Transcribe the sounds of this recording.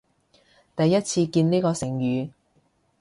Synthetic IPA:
t̪ɐ˨jːɐ˥t̚t͡sʰiː˧kiː˧nniː˥kɔː˧sɪ˨˩ŋjyː˨˧

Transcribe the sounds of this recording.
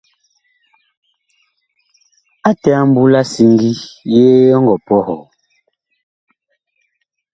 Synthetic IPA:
a˦tɛ˨a˦m˦bu˦la˦si˦ŋɡi˦jeː˦ɔ˦ŋɡɔ˨pɔ˦hɔ˨

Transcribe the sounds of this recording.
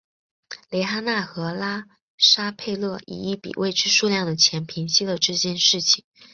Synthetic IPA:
le˧˥ɪxa˥na˥˩xɤ˧˥la˥ | ʂa˥pʰe˥˧ɪlɤ˥˩ḭ˨˩i˥˩pḭ˨˩wʔe˥˧ɪt͡ɕʰy˥˧ʂu˥˧ljɑ˥˩ŋd̪ə˩t͡ɕʰjɛ˧˥npʰi˧˥ŋɕi˥d̪ə˨ʈ͡ʂɤ˥˧t͡ɕjɛ˥˧nʂɻ̩˥˩t͡ɕʰi˨˩ŋ

